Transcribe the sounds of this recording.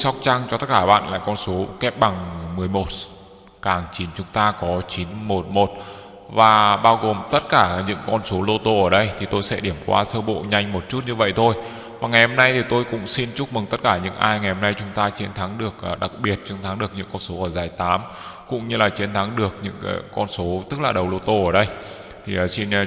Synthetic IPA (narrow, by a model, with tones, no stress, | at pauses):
sa˦˥wk͡p̚t͡ɕa˧ŋt͡ɕɔ˧t̪ə˦˥t̚kaː˧˩ɓa̰ː˧˨nla̰ː˧˨jkɔ˧nso˨˦kɛ˦˥p̚ɓa˨˩ŋmɨ˨˩əjmo˨˩t̚ | kaː˧˩ŋt͡ɕi˨˦nt͡ɕʊ˨˦ŋ͡mt̪aː˧kɔ˨˦t͡ɕi˨˦nmo˨˩t̚mo˨˩t̚ | vaː˨˩ɓaː˧wɣo˨˩mt̪ə˦˥t̚kaː˧˩ɲɨ̰˧˥ŋkɔ˧nso˨˦lo˧t̪o˧ʔəː˧˩ɗə˧jt̪ʰi˨˩t̪o˧jsɛ̰˧˥ɗi˧˩əmkwa̰ː˧səː˧ɓo̰˧˨ɲa˧jŋ̟mo˨˩t̚t͡ɕu˦˥t̚ɲɨ˧və̰˧˨jt̪ʰo˧j | vaː˨˩ŋa˨˩jho˧mna˧jt̪ʰi˨˩t̪o˧jkʊ̰˧˥ŋ͡msi˧nt͡ɕʊ˦˥mɨ˨˩ŋt̪ə˦˥t̚kaː˧˩ɲɨ̰˧˥ŋʔaː˧jŋa˨˩jhmna˧jt͡ɕʊ˨˦ŋ͡mt̪aː˧t͡ɕi˨˦ənt̪ʰa˨˦ŋɗɨ˨˩ək̚ʔːɗa˨˩k̚ɓi˨˩ət̚t͡ɕɨ˨˦nt̪ʰa˨˦ŋɗɨ˨˩ək̚ɲɨ̰˧˥ŋkɔ˧nso˨˦ʔəː˧˩zaː˨˩jt̪aː˨˦m | kʊ̰˧˥ŋ͡mɲɨ˧laː˨˩t͡ɕi˨˦ənt̪ʰa˨˦ŋɗɨ˨˩ək̚ɲɨ̰˧˥ŋ˨˦˧kɔ˧nso˨˦t̪ɨ˦˥k̚laː˨˩ɗə˨˩wlo˧t̪o˧ʔəː˧˩ɗə˧j | t̪ʰi˨˩ʔə˨˩si˧n˧